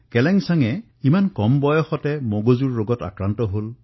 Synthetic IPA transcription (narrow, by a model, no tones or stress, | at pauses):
kɛlɛŋsaŋɛ | imankɔmbɔjɔxɔtɛmoɡozuɹːoɡɔta̰kɹantɔɦol